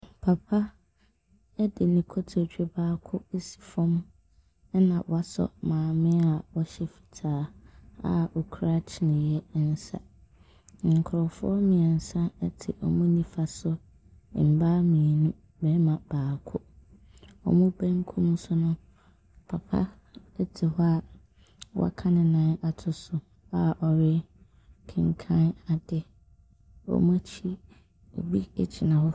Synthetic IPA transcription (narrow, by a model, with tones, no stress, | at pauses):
pʰa˨pʰa˦ | ɛ˦dɪ˨nĩ˨kʰɔ˦tʰo˨t͡ɕᶣɛ˦baː˦kʰʊ˦e˦si̥˨fɔ̃˦m˦ | nã˨wa˦sɔ̰˨mãː˨mɪ̃˦a˨ɔ˦ɕɛ˦˨fi̥˨tʰaː˨˦a̰˨ɔ˨kʰu˦ɾa˦t͡ɕʰɪ˨nɪ̃˨jɛ˦n̩˦sa̰˨ | ŋ̩˨kʰʊ˨ɾɔ˨fʊ˦ɔ˦mɪ̃˨ɛ˨n̩˨sã˦ɛ˦tʰɪ̰˨ʔɔ˨mũ˦nĩ˦fa˨sʊ̰˦˨ | m̩˨ba˦mĩ˨e˨nũ˦ | bɛː˨˦mã˨b̥aː˨kʰʊ˦ | ɔ̰˨mũ˦bɛ̃˦ŋ̩˦kʰũ˦m̃˦sʊ˦nʊ̃˦ | pʰa˨pʰa̰˦ | ɛ˦tʰi˨ɦɔ˦a˨ | wʔa̰˦kʰã˦nɪ̃˨nãː˨˦a˨tʰʊ˨sʊ˨ | a˦˨ʔɔ˨ɾɪ˦ | kʰɪ̃˨ŋ˨kʰã˦na˨dɪ˦ | ɔ̰˨mʊ̃˦t͡ɕʰi˦ | o̰˨bi˦t͡ɕʰɪ˨nã˨hɔ˦